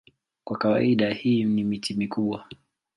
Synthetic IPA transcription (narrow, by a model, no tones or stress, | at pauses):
kwakawaiɗahiːnimitimikuɓwa